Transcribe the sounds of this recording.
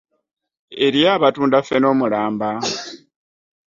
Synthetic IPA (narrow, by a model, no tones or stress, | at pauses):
e̞ɾjaːβatuːndafe̞no̞ːmulaːmba